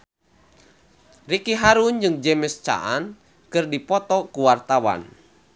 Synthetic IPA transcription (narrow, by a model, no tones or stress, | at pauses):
rikiɦaɾund͡ʒɨŋd͡ʒɛmɪst͡ʃa̰ʔan | kɨrdipɔt̪ɔkuwart̪awa̰n